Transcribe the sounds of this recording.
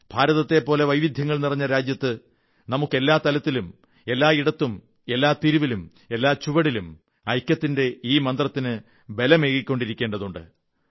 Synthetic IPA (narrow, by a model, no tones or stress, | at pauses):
b̥ʱaːɾɐðɐt̪ːe̞pːo̞ːle̞ʋɐjʋid̪ʱjɐŋːɐɭnirɐɲːɐɾaːd͡ʑjɐt̪ːɨ | nɐmukːe̞lːaːt̪ɐlɐt̪ːilum | e̞lːaːiɽɐt̪ːum | e̞lːaːt̪iɾuʋilum | e̞lːaːt͡ɕuʋɐɽilum | ɐjkʲːɐt̪ːinde̞iːmɐnd̪rɐt̪ːinɨ | be̞lɐmeːkikʲːo̞ɳɖiɾikʲːe̞ːɳɖɐðuɳɖɨ̰